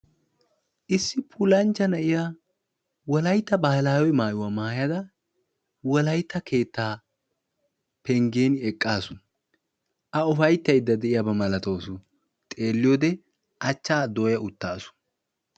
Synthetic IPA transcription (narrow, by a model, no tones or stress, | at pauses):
ʔɪsːɪpʰʊlɐnt͡ʃːɐnɐʔɪja | wɔlɐjt̪ːɐbɐhɐlaːwɛjmaːjʊwɐːmaːjɐd̪ɐ | wɔlɐjt̪ːɐkʰe̞ːt̪ːaː | pɛŋɡe̞ːnɛkʼːaːsʊ | ʔɐɔfɐjt̪ːɐjd̪ːɐd̪ɛʔɪjɐbɐmɐlɐt̪o̞ːsʊ | t̪ʼe̞ːlːɪjoːd̪ɛ | ʔɐt͡ʃːaːd̪o̞ːjɐʊt̪ːaːsʊ̥